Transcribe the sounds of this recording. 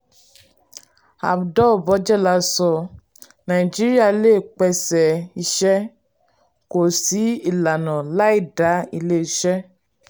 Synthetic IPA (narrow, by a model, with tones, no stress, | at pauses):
a̰˨bdɔ˦˨bɔ˨˦d͡ʒɛ˦˨la˨˧˦sɔ˧ | nã˨i˨d͡ʒi˦ɾi˦a˦˨˦leː˦˨k͡pɛ˧sɛ˨i˧ʃɛ˦ | ko˨si˨˦i˦˨la˨nã˨la˨˦i˦˨da˨˦i˧le˦i˧ʃɛ˦